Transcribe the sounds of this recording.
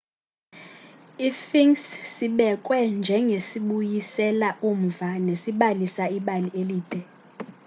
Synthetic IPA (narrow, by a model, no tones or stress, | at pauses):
ifiŋssiɓɛkʼwɛnd͡ʒʱɛŋɡʱesiɓujisɛlaʔum̩vanesiɓalisaiɓalieliːd̥ʱɛ